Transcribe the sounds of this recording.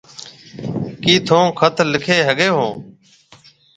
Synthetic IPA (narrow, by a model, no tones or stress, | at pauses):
kiːt̪ʰõːkʰət̪ʰlɪkʰeːɦəɡeːɦõː